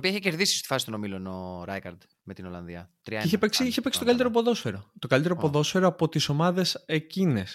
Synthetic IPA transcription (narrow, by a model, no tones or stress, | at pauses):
opiɐeçece̞ɾðisi̥sost̪i̥fɐsi̥t̪ono̞milo̞noɾɐjkɐɾd̪ | me̞t̪ino̞lɐnðiɐt̪ɾiiçepeksiiçepe̞ksi̥t̪okɐlit̪eɾopoðo̞sfeɾo̞t̪o̞kɐlit̪eɾopo̞ðosfeɾoɐpo̞t̪iso̞mɐðe̞se̞cine̞s